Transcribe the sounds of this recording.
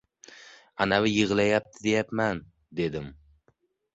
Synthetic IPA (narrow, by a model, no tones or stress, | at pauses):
anavɪjɨʁlˠajap̚t̪ʰɪd̪ejap̪man | d̪e̞d̪ɪm